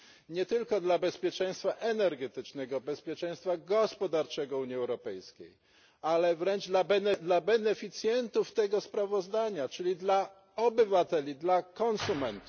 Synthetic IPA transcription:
ɲɛt̪ɘlkɔd̪labɛspʲjɛt͡ʂɛj̃st̪faʔɛnɛɾɡɛt̪ɘt͡ʂnɛɡɔbɛspʲjɛt͡ʂɛ̃j̃st̪faɡɔspɔd̪aɾt͡ʂɛɡɔuɲiɛwɾɔpɛjskʲḛj | alɛvɾɛnd͡ʐd̪labɛnɛd̪labɛnɛfʲit̪sʲjɛnt̪uft̪ɛɡɔspɾavɔzd̪aɲat͡ʂɘlʲid̪la | ɔbɘvat̪ɛlʲid̪lakɔnsumɛnt̪uf

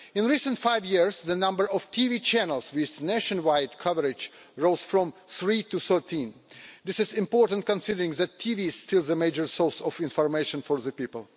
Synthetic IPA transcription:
ɪ̃nɹisə̃ntfaɪvjiɹzðənʌ̃mbə˞ɔv̥tʰivit͡ʃʰænəlˠswɪðneʃə̃nwaɪdkʰʌvəɹɪd͡ʒ | ɹoʊz̥fɹɔ̃mθɹituθɜ˞tʰĩnðɪsɪzɪ̃mpɔɹtə̃nt̚kə̃nsɪdəɹɪ̃ŋðætʰːivistʰɪlˠðəmeɪd͡ʒə˞sɔɹsɔvɪ̃nfɔɹmeɪʃə̃nfɔɹðəpipəlˠ

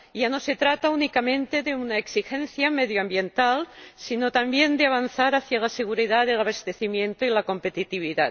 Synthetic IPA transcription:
ʝano̞se̞t̪ɾat̪aunikamẽnt̪e̞ðeunaeksixẽn̟θjameðjoambje̞nt̪alsino̞t̪ambje̞nd̪eaβ̞anθaɾaθjalaseɣ̞uɾiðaðelaβast̪e̞θimjẽ̞nt̪oilako̞mpe̞t̪it̪iβ̞iða

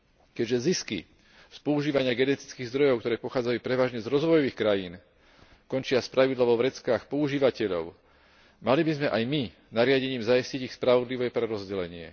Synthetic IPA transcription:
kɛɟʒɛziskḭ | spɔuʒiːʋaɲɪaɡɛnɛt̪i̥t͡skiːɣzd̪ɾɔjɔkt̪ɔɾɛːpɔxaːd͡zajupɾɛʋaːʒɲɛzɾɔzʋɔjɔʋiːxkɾajiːn | kɔnt͡ʃɪaspɾaʋid̪laʋɔʋɾɛt͡skaːxpɔuʒiːʋacɛʎɔ̰ʊ | malibizmɛʔajmi | naɾɪaɟɛɲiːmzaisciɟixspɾaʋɔd̪liʋɛpɾɛɾɔzɟɛlɛɲɪɛ̰

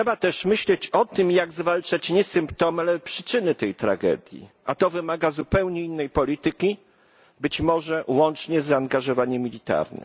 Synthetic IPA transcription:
ʂɛbat̪ɛʂmɘɕlɛt͡ɕɔt̪ɘmjaɡzvalt͡ʂat͡ɕɲɛsɘmpt̪ɔmalɛpʂɘ̥t͡ʂɘnɘt̪ɛjt̪ɾa̰ɡɛ̰d̪ʲjḭʔat̪ɔvɘmaɡazupɛwɲɛinːɛjpɔlʲit̪ɘkʲi | bɘt͡ɕmɔʐɛwɔnt͡ʂɲɛzaːŋɡaʐɔvaɲɛmːʲilʲit̪a̰ɾnɘ̰m

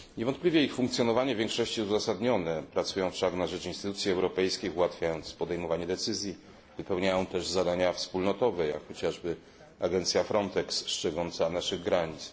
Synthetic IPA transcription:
ɲɛvɔnt̪plʲivʲjɛixfuŋkt̪sʲjɔnɔvaɲɛvʲjɛ̃ŋkʂɔɕt͡ɕiuzasad̪ɲɔnɛpɾat̪sujɔ̃w̃fʂaknaʐɛt͡ʂinst̪ɘt̪ut̪sʲjiɛwɾɔpɛjskʲixuwat̪fʲjajɔnt̪spɔd̪ɛjmɔvaɲɛd̪ɛt̪sɘzʲji | vɘpɛwɲajɔ̃w̃t̪ɛʐzad̪aɲafspulnɔt̪ɔvɛja̰kxɔt͡ɕaʐbɘ | aɡɛnt̪sʲjafɾɔnt̪ɛksːt͡ʂɛɡɔnt̪sanaʂɘɣɡɾaɲit̪s

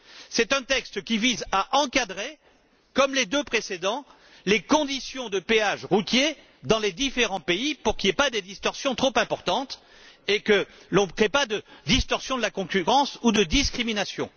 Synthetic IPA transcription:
sɛt̪ɛ̃t̪ɛkst̪kʲivizaʔɑ̃kad̪ʁe | kɔmled̪øpχesed̪ɑ̃ | lekɔ̃d̪isjɔ̃d̪əpeaʃʁut̪je | d̪ɑ̃led̪ifeʁɑ̃peipuʁkʲiepad̪ed̪ist̪ɔʁsjɔ̃t̪χopɛ̃pɔʁt̪ɑ̃t̪ | ekəlɔ̃kχepad̪əd̪ist̪ɔʁsjɔ̃d̪əlakɔ̃kʲyʁɑ̃sud̪əd̪iskχiminasjɔ̰̃

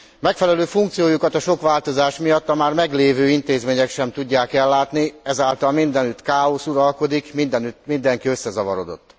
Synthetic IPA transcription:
mɛkfɛlɛløːfuŋkt̪sijoːjukɒt̪ɒʃo̞kʋaːlt̪o̞zaːʃmijɒt̪ːɒmaːrmɛɡleːvøːint̪eːzmeːɲɛkʃɛmt̪uɟːaːkɛlːaːt̪niɛzaːlt̪ɒlmind̪ɛnyt̪kaːo̞suɾɒlko̞d̪ikmind̪ɛnymind̪ɛŋkiøsːɛzɒvɒɾo̞d̪o̞̰t̪ː

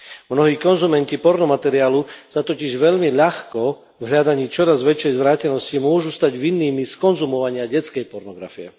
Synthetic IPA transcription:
mnɔɦiːkɔnzumɛncipɔɾnɔmat̪ɛɾiaːlusat̪ɔciʒʋɛʎmiʎaxkɔ | vɦʎad̪aɲiːt͡ʃɔɾazʋɛt͡ʃjɛjzʋɾaːcɛnɔscimʊɔʒust̪aɟʋinːiːmiskɔnzumɔʋaɲɪaɟɛt͡skɛjpɔɾnɔɡɾa̰fiɛ̰

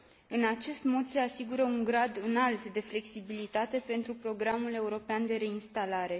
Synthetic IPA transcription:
ɨnat͡ʃe̞st̪mo̞d̪se̞asiɡuɾəuŋɡɾad̪ɨnalt̪d̪e̞fle̞ksibilit̪at̪e̞pe̞nt̪ɾupɾo̞ɡɾamule̞uɾo̞peand̪e̞ɾe̞inst̪alaɾe̞

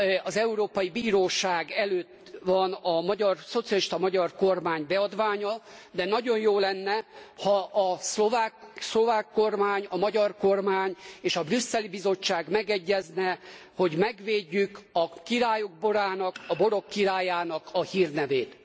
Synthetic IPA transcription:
ɒzɛuɾoːpɒjibiːɾoːʃaːɡɛløːt̪ː | ʋɒnɒmɒɟɒrso̞t̪sijɒliʃt̪ɒmɒɟɒrko̞rmaːɲbɛɒd̪ʋaːɲɒd̪ɛnɒɟo̞njoːlɛnːɛhɒʔːslovaːkslo̞vaːkːo̞rmaːɲɒmɒɟɒrko̞rmaːɲeːʃɒbrysːɛlibizo̞t͡ʃːaːɡmɛɡɛɟːɛznɛho̞ɟmɛɡʋeːɟːykɒkiɾaːjoɡ̚bo̞ɾaːnɒkɒbo̞ɾo̞kːiɾaːjaːnɒkɒhiːrnɛveːt̪

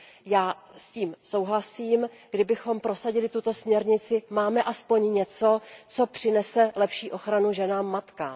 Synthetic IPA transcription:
jaː | sciːmso̞wɦlasiːm | ɡdɪbɪxo̞mpɾo̞saɟɪlɪt̪ut̪o̞smɲɛɾɲɪt͡sɪmaːmɛʔaspo̞ɲɲɛt͡so̞t͡so̞pr̝̥ɪnɛsɛlɛpʃiːʔo̞xɾanuʒɛnaːmːat̪ka

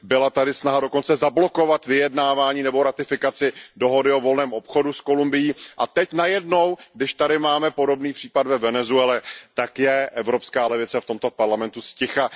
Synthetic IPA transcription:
bɪlat̪adɪsnaɦado̞ko̞nt͡sɛzablo̞ko̞vat̪vɪjɛdnaːvaːɲiːnɛbo̞ɾat̪ɪfɪkat͡sɪdo̞ɦo̞dɪo̞vo̞lnɛːmʔo̞pxo̞dusko̞lumbɪjiːʔat̪ɛcnajɛdno̞wɡdɪʃt̪adɪmaːmɛpo̞do̞bniːpr̝̥iːpadvɛvɛnɛzuɛlɛt̪akjɛʔɛvɾo̞pskaːlɛvɪt͡sɛft̪o̞mt̪o̞paɾlamɛnt̪uscɪxa

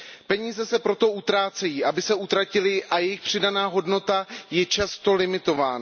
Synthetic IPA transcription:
pɛɲiːzɛsɛpɾo̞t̪o̞ʔut̪ɾaːt͡sɛjiːʔabɪsɛut̪ɾacɪlɪʔajɛjɪxpr̝̥ɪdanaːɦo̞dno̞t̪ajɛt͡ʃast̪o̞lɪmɪt̪o̞vaːna

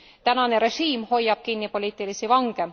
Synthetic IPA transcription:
t̪ænɑne̞ɾe̞ʒiːmho̞jːɑb̥̚kinːipo̞liːt̪ˑilisivɑŋɡ̥e̞

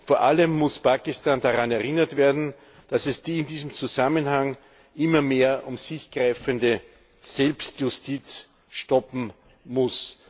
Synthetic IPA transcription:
foːɐʔaləmːʊspʰaːkɪstaːndaʁanɛɐʁɪnɐtv̥eːɐdn̩ | d̥asɛsd̥iːɪndiːzəmt͡suzamənhaŋ | ʔɪmɐmeːɐʔʊmsɪçɡ̥ʁaɪfəndə | sɛlpstjʊstʰiːt͡s | ʃtɔpm̩ | mʊs

